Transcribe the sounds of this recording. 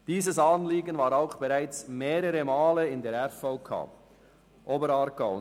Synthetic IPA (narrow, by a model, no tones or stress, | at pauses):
d̥iːzəsanliːɡənvaːɾaʊxb̥ɛʁaɪt͡smeːɾəɾəmaːləɪndeːɐɛfɔʊkʰa̰ː | ʔoːbəɾaɾɡaʊ